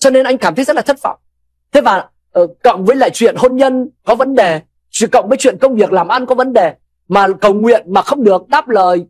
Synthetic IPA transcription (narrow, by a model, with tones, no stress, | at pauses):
t͡ɕɔ˧ne˧nʔa˧jŋ̟kaː˧˩mt̪ʰːjzə˦˥tla˨˩˦t̚fə̰˧˩˨m | t̪ʰe˨˦vaː˨˩ | ʔə˨˩kə̰˧˨wŋ͡mvəː˨˦jla̰ː˧˨jt͡ɕwḭ˧˨ənho˧nɲə˧nkɔ˨˦və˨˦nɗe˨˩ | t͡ɕkə̰˧˨wŋ͡mvəː˨˦jt͡ɕwḭ˧˨ənkə˧wŋ͡mvi˨˩ək̚laː˨˩mʔa˧nkɔ˨˦və˨˦nɗe˨˩ | maː˨˩kə˨˩wŋwḭ˧˨ənmaː˨˩xə˧wŋ͡mɗɨ˨˩ək̚ɗaː˦˥p̚ləː˨˩j